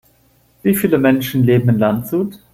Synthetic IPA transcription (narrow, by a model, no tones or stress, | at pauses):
viːfiːləmɛnʃn̩leːbm̩ɪnlantz̥uːt